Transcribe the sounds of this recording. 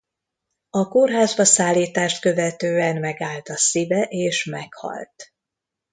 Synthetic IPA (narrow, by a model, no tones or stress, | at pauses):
ɒkorɦaːzbɒsaːlːiːt̪aːʃt̪̚kø̞vɛt̪øːɛnmɛɡaːlt̪ɒsivɛʔeːʃmɛkhɒ̰lt̪